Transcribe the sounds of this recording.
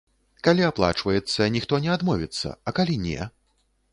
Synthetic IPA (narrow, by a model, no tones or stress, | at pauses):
kalʲiaplˠa̰t͡ʂvɐjɛt̪sːɐnʲixt̪ɔnʲɛad̪mɔvʲit̪sːɐ̰ɐkalʲinʲɛ̰